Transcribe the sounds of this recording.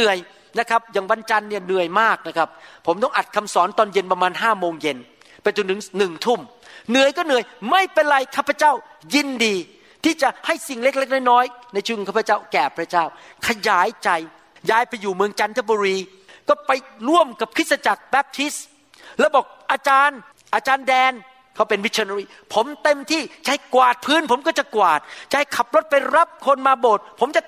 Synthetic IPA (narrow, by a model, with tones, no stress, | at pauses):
ɯ˨˩əj | na˦˥kʰa˦˥p̚jaː˨˩ŋwa˧nt͡ɕa˧nːi˥˩ɐnɯ˨˩əjmaː˥˩k̚na˦˥kʰa˦˥p̚pʰːo˩˦mt̪ɔ˥˩ŋʔa˨˩t̪̚kʰa˧msɔː˩˦nt̪ɔː˧nje˧npɾa˧maː˧nɦaː˥˩moː˧ŋje˧n | pa˧jt̪t͡ɕu˧nt̪ɯ˩˦ŋnɯ˨˩ŋt̪ʰu˥˩mnɯ˨˩əjkɔː˥˩nɯ˨˩əjma˥˩jpe˧nɾa˧jkʰaː˥˩pʰa˧t͡ɕaː˥˩w | ji˧ndiː˧ | t̪ʰiː˥˩t͡ɕa˨˩ha˥˩jsi˨˩ŋle˦˥k̚le˦˥k̚nɔː˥˩jnɔː˦˥jna˧jt͡ɕʰu˥˩˨kʰaː˥˩pʰa˦t͡ɕa˥˩wkɛː˨˩pʰɾa˦˥t͡ɕaː˥˩wkʰa˧jaː˩˦jt͡ɕa˧j | jaː˧˩jpa˧jːuː˨˩mɯ˧əŋt͡ɕa˧nt̪ʰa˦˥˩buː˧ɾiː˧ | kɔː˥˩pa˧jɾu˥˩əmka˨˩p̚kʰɯ˦˥t̪̚sa˧t͡ɕa˨˩k̚bɛː˦˥p̚t̪ʰi˦˥s | lɛː˦˥˩wbɔː˨˩k̚ʔaː˧t͡ɕaː˧n | ʔaː˧t͡ɕaː˧ndɛː˧n | kʰa˦˥˩wpe˧nwi˦˥əː˧n˧ɾiː˥˩pʰo˩˦mt̪e˧mt̪ʰiː˥˩t͡ɕa˨˩ha˥˩jkwaː˨˩t̪̚pʰɯː˦˥npʰo˩˦mkɔː˥˩t͡ɕa˨˩kwaː˨˩t̪̚t͡ɕa˨ha˥˩jkʰa˨˩p̚lo˦˥t̪̚pa˧jɾa˦˥p̚kʰo˧nmaː˧boː˨˩t̪̚pʰo˩˦mt͡ɕa˨˩